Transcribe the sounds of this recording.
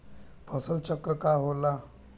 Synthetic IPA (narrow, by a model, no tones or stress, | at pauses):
pʰəsəlt͡ɕəkɾəkaɦola